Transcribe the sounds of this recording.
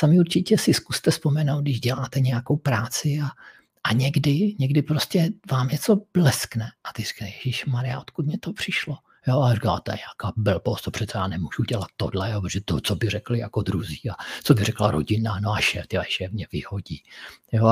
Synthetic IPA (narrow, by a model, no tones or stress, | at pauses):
samɪuɾt͡ʃɪcɛsɪskust̪ɛspomɛnowt̪̚dɪʒɟɛlaːt̪ɛɲɛjakowpɾaːt͡sɪa | ʔaɲɛɡdɪɲɛɡdɪpɾoscɛvaːmɲɛt͡so̞blɛsknɛʔat̪ɪri̥kajɛʒiʃmaɾɪjaot̪kut̪̚mɲɛt̪opr̝̥ɪʃlo | joːarika̰ːt̪oɲɛakaːbɛlbost̪opr̥ɛt̪sɛjaːnɛmuʒuɟɛlat̪ːodlɛjopɾoʒɛt̪ot͡sobɪrɛklɪja̰kod̪ɾuziːat͡sobɪrɛklaɾo̰ɟɪnanoaʃɛːft̪aaʃɛfmɲɛvɪhoɟiːjo